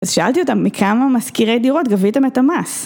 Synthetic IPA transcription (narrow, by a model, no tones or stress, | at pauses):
azʃaʔalt̪io̞t̪amːikʰamamaskiʁejd̪iʁo̞t̪ɡavitamet̪amas